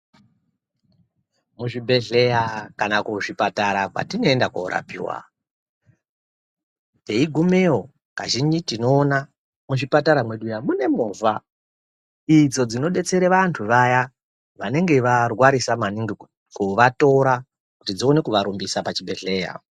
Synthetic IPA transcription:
muʐibʱe̞ɮe̞jakanakuʐipataɾakwa̰tino̞endakoɾa̰pḭːwa̰ | deiɡʱumeo | ka̰ʒind͡ʒitino̞ːna | muʐipataɾamwe̞ɗujamune̞moːva | id͡zo̞d͡zino̞ɗe̞t͡se̞ɾeʋantʰuʋaja | ʋane̞ŋɡe̞ʋarwaɾisamaniŋɡi | kuʋato̞ɾa | kutid͡zio̞ne̞kuʋaɾumbisapat͡ʃibʱe̞ɮe̞ːja̰

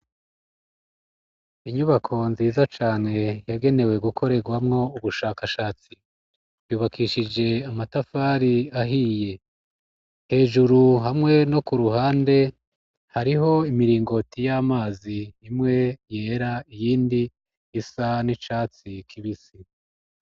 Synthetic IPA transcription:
iɲuβakʰo̞nziːzat͡ʃaːne̞jaɡe̞ne̞we̞ɡukʰo̞ɾe̞ɡwamŋo̞uβuʃaːkaʃaːt͡si | juːβakʰiʃid͡ʒe̞amatafaɾiaɦiːje̞ | he̞ːʒuɾuɦamŋe̞no̞kuɾuɦaːnde̞ | haɾiɦo̞imiɾiːŋɡo̞tijaːmaːziːmŋe̞je̞ːɾaijiːndiː | sanit͡ʃaːt͡sikʰiβisi

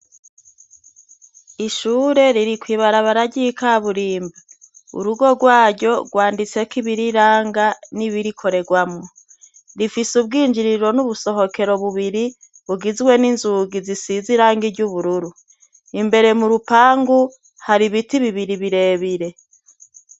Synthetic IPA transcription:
iʃuːɾe̞ɾiɾikwiːβaɾaβaɾaɟikaβuɾiːmba | ṵɾuɡo̞ɡwaːɟɟo̞ɡwaːndit͡se̞kiβiɾiɾaːŋɡaniβiɾikʰo̞ɾe̞ɡwamŋo̞ | ɾifisub̚ɡiːnd͡ʒiɾiɾo̞nuβuso̞ɦo̞ke̞ɾo̞βuβiɾi | βuɡizɡwe̞ninzuɡizisiziɾaːŋɡiɟuβuɾuɾu | imbe̞ɾe̞muɾupaːŋɡu | haɾiβitiβiβiɾiβiɾe̞ːβiɾe̞

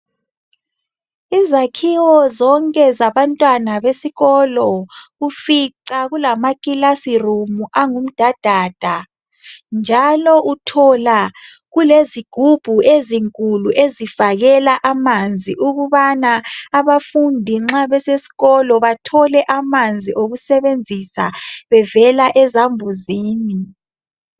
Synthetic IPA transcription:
izakʰiwɔzɔŋkʼɛzaβantʼwanaβesiɣɔlɔufiǀaɣulamakʼilasirumuʔaŋum̩d̥ʱad̥ʱaːd̥ʱa | nd͡ʒʱalɔʔutʰɔla | ɣuleziɡ̥ʱub̥ʱueziŋkʼuluʔezifaɣɛlaʔamand͡zʱiʔuɣuβanaːβafundʱiŋ͡ǁaβɛsesi̥ɣɔlɔβatʰɔlɛʔamand͡zʱiʔoɣusɛβend͡zʱisa̰βɛvɛlaʔɛzambʱuziːmi

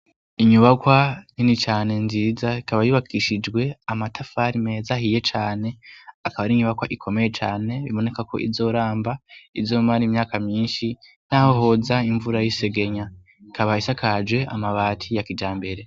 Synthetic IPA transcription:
iɲuβakwaninit͡ʃaːne̞nziːzaikaβajuβakʰiʃid͡ʒɡwe̞amatʰafaɾime̞ːzahije̞t͡ʃaːne̞akaβaɾiɲuβakwaʔikʰo̞me̞je̞t͡ʃaːne̞βiβo̞ne̞kakʰo̞̰ʔḭzo̞ːɾaːmbaizo̞ːmaɾimɲaːkamɲiːnʃi | n̥ahoɦo̞zaiɱvuɾajise̞ɡe̞ɲa | ikʰaβaisakʰad͡ʒwe̞a̰maβaːtʰijakid͡ʒaːmbe̞ɾe̞

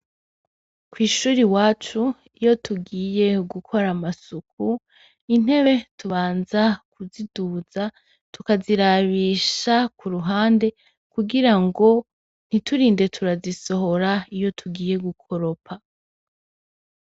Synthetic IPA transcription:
kwiːʃuːɾiwaːt͡ʃu | ijo̞tʰuɡiːje̞ɡukʰo̞ɾamasukʰu | in̥he̞βe̞tʰuβaːnzakʰuzid̥uːz̥a | tukaziɾaβiːʃakʰuɾuɦaːnde̞ | kuɡiɾaŋɡo̞ | n̥itʰuɾiːnde̞tʰuɾaziso̞ɦo̞ɾaijo̞tʰuɡiːje̞ɡukʰo̞ɾo̞pʰa

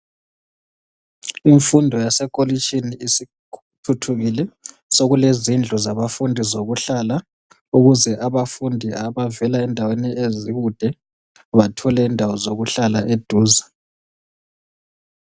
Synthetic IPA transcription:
iɱfundʱɔjasɛkʼolit͡ʃʼiniisi | tʰutʰuɣilɛ | soɣulezind͡ɮʱuzaβafundʱizoɣuɬala | uɣuzɛʔaβafundʱiaβavɛlaɛndʱaweniʔeziɣud̥ʱɛ | βatʰɔlɛindʱawɔzoɣuɬalaʔed̥ʱuːza

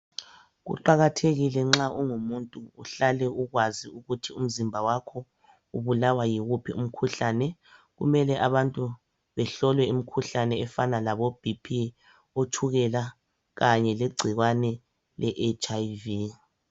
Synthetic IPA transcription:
ɣṵǃaɣatʰeɣilɛŋ͡ǁaʔɔŋumuntʼuuɬalɛuɣwaziuɣutʰium̩zimbʱawakʰɔ | uβulawajiɣupʰḭum̩kʰuɬanɛ | ɣumɛlɛʔaβantʼu | βɛɬɔlwɛim̩kʰuɬanɛːfanalaβob̥ʱipʰi | otʰuɣɛla | ɣaɲɛleɡ͡ǀʱiɣwanɛ | lɛʔet͡ʃʼavi

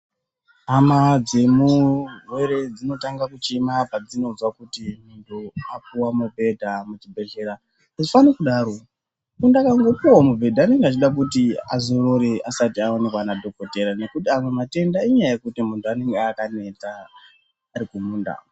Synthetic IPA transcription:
ɦamad͡ze̞murwe̞ɾe̞d͡zino̞taŋɡakut͡ʃemapad͡zino̞d͡zwakutimuntʰuapuwamubʱe̞dʱamut͡ʃibʱe̞ɮe̞ɾa | azofanekuɗaːɾo̞ | kundakaŋɡopowomubʱe̞dʱaːne̞ŋɡeat͡ʃiɗak̬utia̰zoroɾeasatiawanekwanadʱo̞ko̞te̞ɾane̞kutiamwe̞mate̞ndaiɲajaje̞kutimuntuane̞ŋɡeakane̞t͡saː | ɾikumuːnda̰

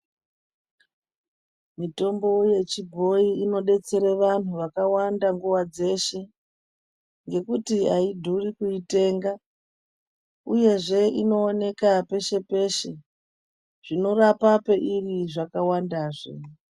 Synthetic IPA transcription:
mito̞mbo̞je̞t͡ʃibʱo̞iino̞ɗe̞t͡se̞ɾeʋan̤uʋakawandaŋɡuwad͡ze̞ʃe̞ | ŋɡe̞kutiaidʱurikuite̞ːŋɡa | uje̞ʐe̞ino̞ːne̞kape̞ʃe̞pe̞ʃe̞ | ʐ̥ino̞rapapeʔiriʐakawandaːʐḛ

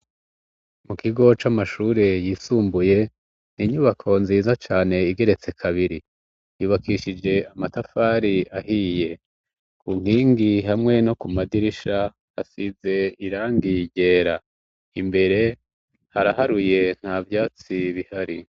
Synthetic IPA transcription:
mukiɡo̞t͡ʃamaʃuːɾe̞jiːsuːmbuje̞ | n̥iɲuβakʰo̞nziːzat͡ʃaːne̞iɡe̞ɾe̞t͡se̞kʰaβiɾi | juːβakiʃid͡ʒe̞amatafaːɾiaɦiːje̞ | kʰuŋ̥iːŋɡiɦamŋe̞no̞kumadiɾiʃa | hasize̞iɾaːŋɡiɟe̞ːɾa | imbe̞ɾe̞ | haɾaɦaɾuje̞n̥havjaːt͡siβihaɾi

